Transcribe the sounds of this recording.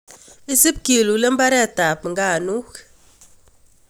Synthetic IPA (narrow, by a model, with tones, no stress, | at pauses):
i˦si˦p̚ki˨lu˨˦le˦m̩˦ba˦ɾɛ˦˨ta˨pŋ̩˨ɡa˦˨nu˦k